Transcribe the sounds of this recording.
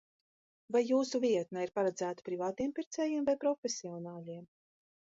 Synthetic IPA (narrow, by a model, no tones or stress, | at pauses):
vajːuːsuviɛt̪̚naiɾpaɾad̪zæːt̪ḁpɾivaːt̪iɛmpiɾt̪sɛːjiɛmvajpɾɔfʲesiɔnaːʎʲiɛm